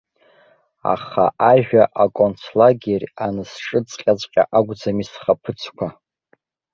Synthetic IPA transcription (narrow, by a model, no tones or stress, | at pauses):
a̰χa̰ʔaʒᶣaʔakʷʼont͡sʰlaɡʲerʲanɨsʈ͡ʂʼɨt͡sʼqʲʼat͡sʷʼqʲʼa̰ʔaɡʷd͡zamisχapʰɨt͡sʰkʷʰa